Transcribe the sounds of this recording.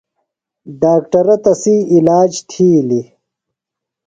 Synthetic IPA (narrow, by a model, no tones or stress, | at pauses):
ɖaːk̚ʈɐɾɐt̪ɐsiilaːd͡ʑt̪ʰiːli